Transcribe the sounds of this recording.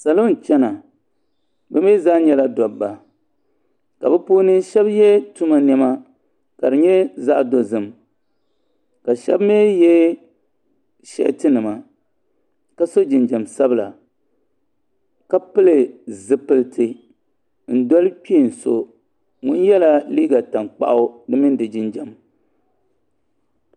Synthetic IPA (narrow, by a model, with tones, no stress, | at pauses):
sa˨lo˦n˨t͡ʃɛ˦na˨ | bɛ˦mi˦za˦ɲɛ˦la˦dɔ˨bba˨ | ka̰˨bɛ˦poː˦nɨ˦ʃɛ˦bjɛ˦tu˦ma˨nɛ˦ma˦ | ka˨dɨ˨ɲɛ˦za˦ʔdo˨zɨ˨m | ka˨ʃɛ˦bmeː˦jɛ˦ | ʃɛ̰˦˨ʔtɨ˦nɨ˨ma˨ | ka˦so˦d͡ʒɪ˨nd͡ʒa˨msa˦bɨ˦la̰˨ | ka˦pɨ˦lɨ˨zɨ˦pɨ˦ltʰɨ˨ | n̩˦dɔ˦lɨ˦k͡pi˦˨n̩˨so˦ | ŋʊ˦njɛ˦la˨li˦ɡa˨ta˨ŋk͡pa̰˦ʔʊ˦dɨ˦mɨ˦n˦dɨ˨d͡ʒɪ˨nd͡ʒɛ˨m